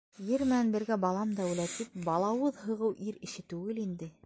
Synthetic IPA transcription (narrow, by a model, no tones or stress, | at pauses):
jɘɾmɘ̆nænbɘ̆ɾɡæbɑlˠɑmd̪æulæt̪ip̚bɑlˠɑwɤðɦɤ̆ʁɤwʔiɾɘ̆ʃɘt̪ʉɡɘlind̪ɘ